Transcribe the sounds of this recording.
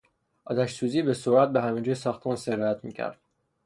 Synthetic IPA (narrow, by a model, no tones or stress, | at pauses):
ʔɒːt̪ʰæʃsuːziːbesoɾæt̪̚beɦæmid͡ʒujsɒːxt̪ʰmunseɾɒjæt̪mḭːcʰæ̰ɾd̪̥̚